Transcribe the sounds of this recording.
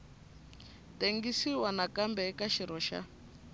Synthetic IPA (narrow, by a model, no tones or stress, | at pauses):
teŋɡisiwanakambɛkaʃiɾɔʃa̰